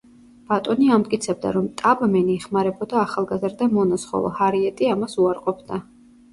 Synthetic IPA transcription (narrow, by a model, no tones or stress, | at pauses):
b̥at̪ʼɔniamt̪ʼkʼit̪sʰɛbd̪a̰ɾɔmt̪ʼabmɛniɛχmaɾɛbɔd̪aːχalˠɡazɾd̪amɔnasχɔ̰lˠɔ̰haɾiɛt̪ʼiamasuaɾqʼɔpʰd̪a